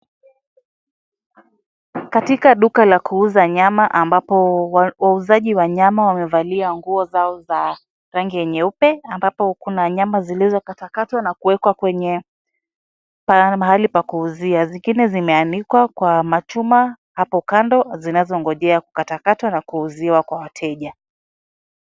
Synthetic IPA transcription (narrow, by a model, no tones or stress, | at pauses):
katikaɗukalakuuzaɲamaʔambapɔwauzaʄiwaɲamawamɛvaliaŋɡuɔzaɔza | ɾaŋɡiɛɲɛupɛambapɔkunaɲamazilizɔkatakatwanakuwɛkwakwɛɲɛ | pamaɦalipakuːziaziŋɡinɛzimɛanikwakwamat͡ʃuma | hapɔkandɔzinazɔŋɡɔʄɛaku̥katakatwanakuːziwakwawatʰɛʄa